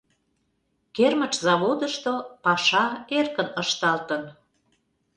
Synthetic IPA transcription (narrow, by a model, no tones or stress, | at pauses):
kermə̆t͡ʃzɑβod̪əʃt̪opɑʃɑerkənəʃt̪ɑlt̪ən